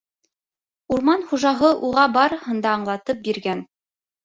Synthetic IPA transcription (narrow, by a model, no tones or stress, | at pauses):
uɾmɑnχuʒɑɦɤʔuʁɑbɑɾɤhɤ̆nd̪ɑːɴlˠɑt̪ɤp̚biɾɡæn